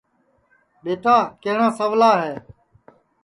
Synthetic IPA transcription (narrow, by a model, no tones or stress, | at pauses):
ɓeːtaːkeɦɳãːsəʋlaːɦɛː